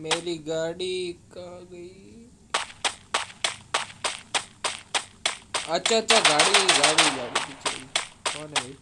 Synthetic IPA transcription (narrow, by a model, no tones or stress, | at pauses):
meːɾiːɡaːɽikãːɡəiː | ɐt͡ʃʰatːt͡ʃaɡaːɽiɡaːɽiɡaːɽibit͡ʃa̰ikoːne